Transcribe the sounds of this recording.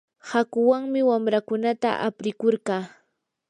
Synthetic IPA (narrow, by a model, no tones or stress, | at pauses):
hakʊwaŋmɪwamɾakʊnat̪a̰ʔa̰pɾɪkoɾɢɑː